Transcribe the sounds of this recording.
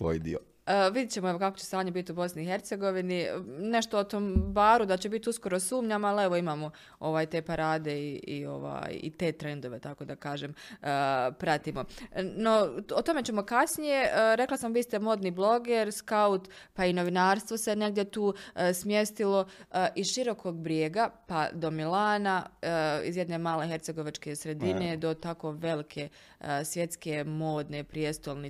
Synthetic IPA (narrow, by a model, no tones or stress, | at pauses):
sʋo̰ːjd̪ḭo̰ | ʋid̪jet͡ɕemoe̞ʋo̞kakot͡ɕesaːɲebit̪iubo̞sniiːxe̞ɾt̪se̞ɡo̞ʋinine̞ʃt̪oot̪oːmbaːɾud̪at͡ɕe̞bit̪usko̞ɾosuːmɲamaleʋo̞imaːmo | o̞ʋaːjt̪e̞ːpaɾaːd̪e̞iʔḭo̞̰ʋa̰ːjḭt̪e̞ːt̪ɾe̞nd̪o̞ʋe̞t̪ako̞d̪akaːʒeːməpɾat̪imo̞no̞ot̪o̞me̞t͡ɕe̞mo̞kasnije̞ʔɾe̞klˠasambist̪emo̞ːd̪niːblˠo̞ɡeɾskaut̪paino̞ʋinaːɾst̪ʋo̞se̞ne̞ɡ̚d̪jet̪uːsmje̞st̪ilo̞ʔiʃiɾo̞kʰoɡbɾjeːɡapad̪o̞milaːna | ḭzjed̪ne̞ːmaːlexe̞ɾt̪seɡo̞ʋat͡ʃke̞sɾe̞d̪ine̞d̪o̞t̪ako̞ʋe̞likʰe̞ | sʋje̞t̪ske̞mo̞ːd̪ne̞pɾijest̪olni